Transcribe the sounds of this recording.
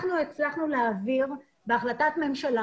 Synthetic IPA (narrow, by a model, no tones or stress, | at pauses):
χnuet͡slaχnuleaviʁ | beaχlatatme̞mʃala